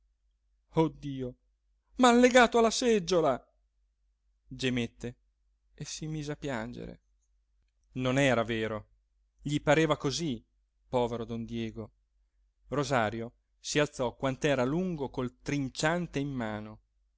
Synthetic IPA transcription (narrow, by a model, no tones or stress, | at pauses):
od̪ːiːo | malːeɡaːt̪oalːasɛd͡ʒːola | d͡ʒemet̪ːeː | simiːzeapːjand͡ʒḛɾḛ | nonɛːɾaveːɾo | ʎipaɾeːvakozi | pɔːveɾod̪ond̪jɛːɡo | rozaːɾjo | sialt̪sɔkwant̪ɛːɾaluŋɡokolt̪ɾint͡ʃant̪eimːaːno